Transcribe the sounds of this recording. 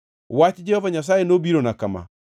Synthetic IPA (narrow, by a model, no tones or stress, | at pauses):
wat͡ʃid͡ʒɛhɔvaɲas̬aːenobiɾonakama̰